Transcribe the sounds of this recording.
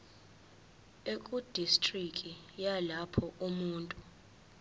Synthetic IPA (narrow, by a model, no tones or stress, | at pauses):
ekʼud̥ʱistʼrikʼijalapʰɔumuːntʼu